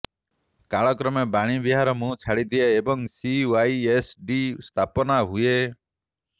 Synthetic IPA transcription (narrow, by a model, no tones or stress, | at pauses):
kaɭɔkɾɔmebaɽ̃ibiɦaɾɔmũt͡ʃʰaɽid̪ieebɔŋsiwaiesɖist̪ʰapɔnaɦue